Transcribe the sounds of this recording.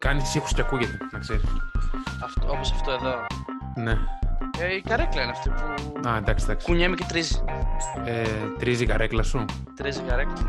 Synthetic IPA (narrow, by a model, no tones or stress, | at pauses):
kɐnist̪sixu̥sceɐkuʝet̪enɐkseɾisɐft̪oposɐft̪oe̞ðo̞ | ne̞eikɐɾeklɐineɐft̪ipufoɐend̪ɐksid̪ɐkskuɲemicet̪ɾizi | et̪ɾizikɐɾeklɐsu | t̪ɾizikɐɾeklɐ